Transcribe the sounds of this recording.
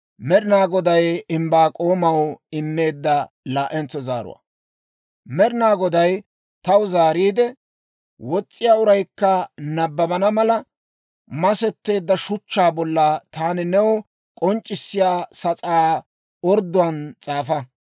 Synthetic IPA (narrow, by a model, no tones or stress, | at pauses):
mɛɾɪnaːɡɔd̪ɐjɪmbaːkʼo̞ːmɐwɪmːe̞ːd̪ːɐ | laːʔɛnt͡sːɔzaːɾʊ̰wa̰ː | mɛɾɪnaːɡɔd̪ɐj | t̪ɐwzaːɾiːd̪ɛ | wɔt͡sʼːɪjaːʊɾɐjkːɐnɐbːɐbɐnɐmɐlɐ | mɐsɛt̪ːe̞ːd̪ːɐʃʊt͡ʃːaːbɔlːɐt̪aːnɪnɛwɔ | kʼɔnt͡ʃʼːɪsːɪjaːsɐt͡sʼaː | ɔɾd̪ʊɐnt͡sʼaːfɐ